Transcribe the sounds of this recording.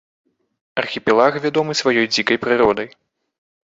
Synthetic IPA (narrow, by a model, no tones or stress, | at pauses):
ɐrxʲipʲɛlˠaxvʲad̪ɔmɨsvajɔjd͡zʲikɐjpɾɨɾɔd̪ɐj